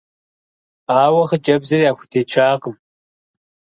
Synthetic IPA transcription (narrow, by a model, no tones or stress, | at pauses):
aːwɐχɐd͡ʒʼɐbzɨrijaːxʷʊ̥tʰeːt͡ʃʰaːqəm